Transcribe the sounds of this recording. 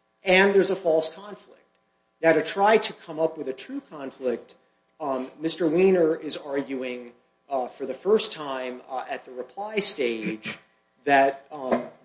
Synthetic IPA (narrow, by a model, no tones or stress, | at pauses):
ɨ̃nðə˞zəfɔlˠskʰɑ̃ɱflɪ̰k̚t̚ | naʊɾɨtʰɹ̥aɪɾɨkʰʌ̃mʌpwɨðɨtʰɹ̥ʉkʰɑ̃ɱflɪk̚t̚ | mɪstə˞wĩnə˞ʔɪzɑɹɡjʉɪ̃ŋ | fə˞ðɨfɜ˞stʰãɪ̃mɨt̪̚ðɨɹɨpʰl̥aɪsteɪ̥d͡ʒ | ðɨt̚